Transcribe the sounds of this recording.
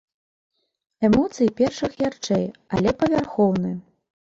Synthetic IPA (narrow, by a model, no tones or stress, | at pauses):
ɛmɔt̪sɨjipʲɛrʂɨxjʲart͡ʂɛjalʲɛpɐvʲarxɔwnɨj